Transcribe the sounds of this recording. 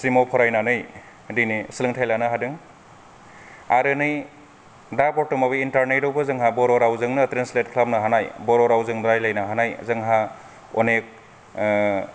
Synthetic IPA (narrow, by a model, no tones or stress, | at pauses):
sɾimopʰɔɾajnanɯj | dinisilɯŋtʰajlanɯɦadɯŋ | aɾɯnɯj | daɾpɔtːɯmabɯintaɾnejɾowbɯzɯŋɦabɔɾɔɾawzɯŋnɯtɾenslet̚kʰlap̚nɯɦanajbɔɾɔɾawzɯŋdɾajlajnaɦanaj̰zɯŋɦa | onek̚